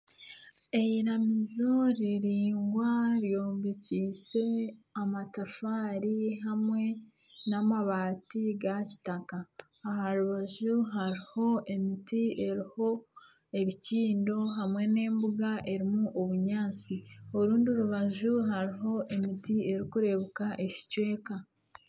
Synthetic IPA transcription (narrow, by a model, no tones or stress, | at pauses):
e̞iɾamizo̞ɾiɾiːŋɡwaɾjoːmbiciːse̞amatafaːɾiɦamŋe̞ | namaβaːtiɡaci̥takaː | ɦaɾuβaʒuɦaɾiho̞e̞mitie̞ɾiho̞ | e̞βiciːndo̞ɦamwe̞ne̞ːmbuɡaʔe̞ɾimuʔoβuɲaːt͡sioɾuːndioɾuβaʒuɦaɾiɦo̞ʔe̞mitie̞ɾikuɾe̞βukaʔe̞ci̥cwe̞ːka